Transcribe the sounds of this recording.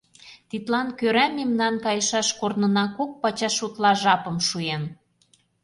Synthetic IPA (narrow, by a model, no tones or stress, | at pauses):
t̪it̪lɑnkøɾæmemnɑnkɑjəʃɑʃkornɤ̆nɑkok̚pɑt͡ɕɑʃut̪lɑʒɑpɤ̆mʃujen